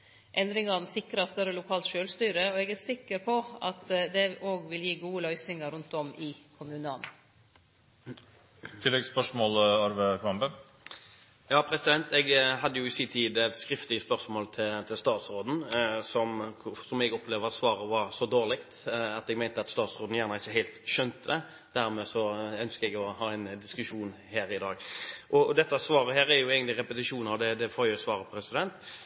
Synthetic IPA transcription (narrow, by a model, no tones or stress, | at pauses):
ʔɛnd̪ɾɪŋɑnsɪkɾɑst̪œɾəlʊkʰɑːlt̪ʃøːlst̪yːɾəɔɛɡæɾsɪkːəɾpʰɔɑt̪d̪ɛoːɡʋɪljiːɡuːəlœʏsɪŋɑɾʉnt̪ɔmɪkʰʊmʉːnəɑn | t̪ʰɪlːɛɡspœʂmoːlɑɾʋəkʰɾɑmbə | jɑːpʰɾɛsɪd̪ɛnt̪ɛɡɦɑd̪ːəjʊɪsiːnt̪ʰiːd̪skɾɪft̪lɪəspœʁsmoːlt̪ʰɪt̪ʰɪlst̪ɑːt̪sɾoːd̪n̩sɔmsɔmɛɡɔpʰleːʋəɾɑt̪sʋɑːɾəʋɑɾsɔd̪oːʁlɪkt̪ɑt̪ɛɡmæɪnt̪əɑt̪st̪ɑːt̪sʁoːd̪n̩jæːʁnəɪçːəɦæɪlt̪ʃœnt̪əd̪ɛ | d̪̥æɾmɛːsɔœnskəɛɡɔhɑːɛɪnd̪ɪskʉʂuːn | hæːɾɪd̪ɑːɡʔɔd̪ɛt̪ːəɑsʋɑːɾəɦæːɾæɾjʊɛːɡənlɪɾɛpət̪ɪʂuːnɑʋd̪ɛd̪ɛfoːɾjʊsʋɑːʁəpʰɾɛsɪd̪ɛnt̪